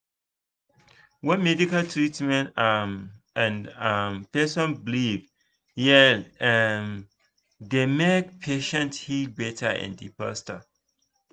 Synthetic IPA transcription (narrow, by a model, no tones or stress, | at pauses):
wɛ̃nmɛdikaltʰɹitmɛ̃nt | ɛ̃nampɛsɔ̃nbliv | jɛ | m | demek̚pʰeʃɛ̃nthid̚bɛtʰə̰ɛ̰̃ndḭpa̰stə